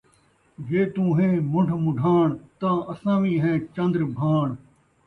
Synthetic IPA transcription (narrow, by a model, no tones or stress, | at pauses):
ʋeːt̪ũːɦẽːmʊɳɖʰʱmʊ̃ɖʱãːɳt̪ãːəsãːʋĩːɦɛ̃ːt͡ʃə̃nd̪ɾbʱaːɳ